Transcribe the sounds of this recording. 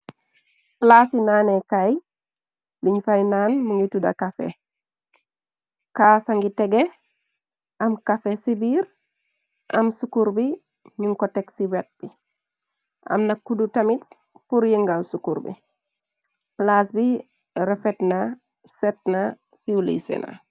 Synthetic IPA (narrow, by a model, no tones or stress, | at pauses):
plasinaːnekaj | liɲfajnaːnmuŋitudɐ̰kafḛ | kaːsaŋɡitɛɡɛ | ʔɐmkafesibiːɾ | ʔɐ̰msukuɾbi | ɲuŋkɔtɛksiwɛt̚b̥i | ʔa̰mnɐkːudutɐmit̚ | puɾjiŋɡalsukuɾbḭ | plasbi | ɾɛfɛtna | sɛt̚na | siulḭsɛ̰na̰